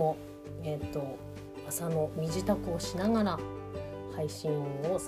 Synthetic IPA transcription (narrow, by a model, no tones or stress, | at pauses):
o̞ | et̪ːo̞ | asano̞mʲiʑit̪akɯ̟oɕinaɡaɾa | haiɕĩɰ̃o̞s